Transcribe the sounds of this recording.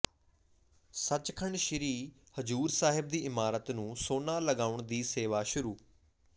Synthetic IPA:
sət͡ʃkʰəɳʃɪɾiː | həd͡ʒuːɾsaːɦɪb̚d̪iːʔɪmaːɾət̪nũːsoːnãːləɡaːʊɳd̪iːseːʋaːʃʊɾuː

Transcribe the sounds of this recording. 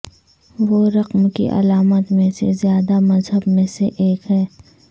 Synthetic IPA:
ʋoɾɐqmkḭʔɐ̰laːmət̪mẽsezjaːd̪amɐzɦəbmẽseʔeːkɦɛː

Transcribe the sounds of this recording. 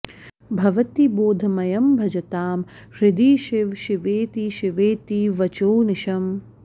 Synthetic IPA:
bʱɐʋɐt̪iboːd̪ʱɐmɐjɐmbʱɐd͡ʒɐt̪aːm | ʃɾɪd̪iːʃɪʋʃiʋeːt̪iʃiʋeːt̪iʋɐt͡ʃoːnɪʃɐm

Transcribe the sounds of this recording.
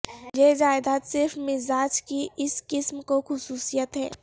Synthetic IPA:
jed͡ʒaːɪd̪aːt̪sɪɾfmɪzaːd͡ʒkiʔɪskɪsmkoxʊsuːsijət̪ɦɛ̰ː

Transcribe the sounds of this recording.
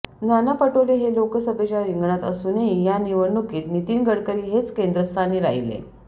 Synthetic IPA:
nanapəʈoleɦelokəsəbʱet͡ɕjaɾiŋɡɳat̪əsuːneijaniʋəɽnukiːt̪nit̪iːnɡəɽkəɾiːɦet͡skend̪ɾəst̪ʰaniːɾa̰ilḛ

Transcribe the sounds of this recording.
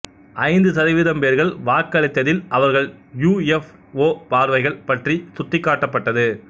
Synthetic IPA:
ʔɐɪnd̪ɯsɐðɪʋɪðɐmpeːɾɣɐɭʋaːkːɐɭɪt̪ːɐðɪlʔɐʋɐɾɣɐɭjuːɛf | oːpaːɾʋɐɪɣɐɭpɐʈrisʊt̪ːɪkːaːʈːɐpːɐʈːɐðɯ

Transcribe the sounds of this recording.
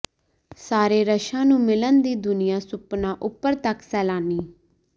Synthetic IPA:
saːɾeːɾəʃãːnũːmɪlənd̪iːd̪ʊnɪjãːsʊpnãːʔʊpːəɾt̪əksɛːlaːniː

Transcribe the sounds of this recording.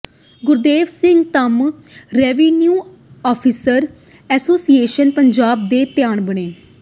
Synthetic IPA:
ɡʊɾd̪eːʋsɪ̃ŋɡt̪əmɾɛːʋiːnjuː | ɔːpʰiːsəɾ | ɛːsoːsieːʃənpəɲd͡ʒaːb̚d̪eːt̪ɪjaːɳbəɳeː

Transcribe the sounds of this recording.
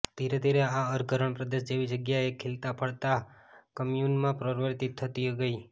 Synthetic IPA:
d̪̥iɾed̪ʱiɾeaəɾɡʱəɾəɳpɾəd̪eʃd͡ʒeʋid͡ʒəɡjaekʰelt̪apʰəɭt̪akəmjunmãpɾəɾʋəɾt̪it̪ʰːət̪iɡəi

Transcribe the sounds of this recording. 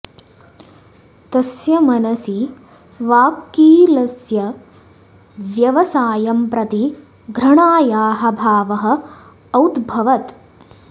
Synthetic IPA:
t̪ɐsjɐmɐnɐsi | ʋaːkiːlɐsjɐ | ʋjɐʋɐsaːjɐmpɾɐt̪i | ɡʱɾɐɳaːjaːɦɐ̆bʱaːʋɐɦɐ̆ː | wd̪bʱɐʋɐt̪

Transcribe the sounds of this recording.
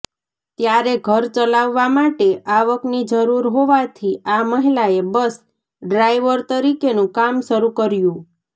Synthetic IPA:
t̪jaɾeɡʱəɾt͡ʃəlaʋːamaʈeʔaʋəknid͡ʒəɾuɾɦoʋat̪ʰiaməɦilaebəs | ɖɾajʋəɾt̪əɾikenũkamʃəɾukəɾjũ

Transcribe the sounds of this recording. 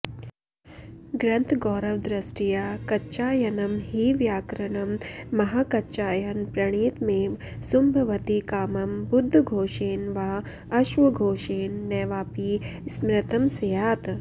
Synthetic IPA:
ɡɾɐnt̪ʰɡɔːɾɐʋd̪ɾɐsʈijakɐtːt͡ʃaːjɐnɐmhiʋjaːkɾɐɳɐmːɐɦaːkɐt͡ʃaːjɐnpɾɐɳ̃iːt̪meːʋ | sumbʱɐʋɐt̪ikaːmɐmbud̪ʱːɡʱoːʃeːnʋaː | ɐʃʋɐɡʱoːʃeːnːɛːʋaːpismɾɐt̪ɐmsɐjaːt̪

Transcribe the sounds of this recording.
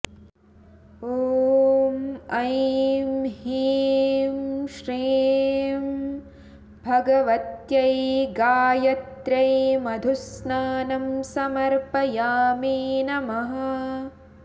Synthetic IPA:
oːmɐjmhiːmʃɾiːm | bʱɐɡɐʋɐt̪jɐjɡaːjɐt̪ɾɐjmɐd̪ʱusnaːnɐmsɐmɐɾpɐjaːmiːnɐmɐɦɐ

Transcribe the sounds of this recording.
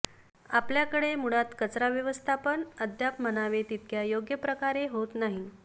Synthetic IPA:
apljakəɽemuɽat̪kət͡sɾaʋjəʋəst̪ʰapəɳəd̪ʱjapm̤əñaʋet̪it̪̚kjajoɡjəpɾəkaɾeɦot̪naɦi

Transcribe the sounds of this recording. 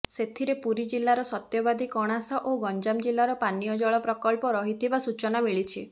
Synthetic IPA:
set̪ʰiɾepuɾid͡ʒilːaɾɔsɔt̪jɔbad̪ikɔɽ̃asɔʔoɡɔnd͡ʒamd͡ʒilːaɾɔpanijɔd͡ʒɔɭɔpɾɔkɔlpɔɾɔɦit̪ʰibasut͡ʃɔnamiɭit͡ʃʰi

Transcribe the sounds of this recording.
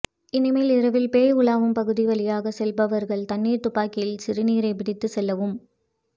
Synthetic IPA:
ɪnɪmeːlɪɾɐʋɪlpeːʊɭaːʋɯmpɐɣɯðiʋɐlɪjaːɣɐsɛlbɐʋɐɾɣɐɭt̪ɐnːiːɾt̪ʊpːaːkɪlsɪɾɯniːɾɐɪpɪɽɪt̪ːɯsɛlːɐʋɯm

